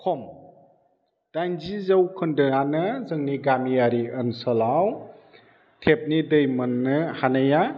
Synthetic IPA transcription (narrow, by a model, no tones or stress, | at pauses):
kʰɔm | d̥ajnzizəwkʰɯndɯanɯzɯŋniɡamijaɾiənsəlaw | tʰep̚nidɯjmɯnːɯhanaja